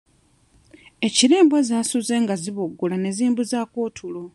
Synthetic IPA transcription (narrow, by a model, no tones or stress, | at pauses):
e̞ciɾe̞ːmbwazaːsuzeːŋɡaziβoɡːulane̞ziːmbuzaːkoːtʰulo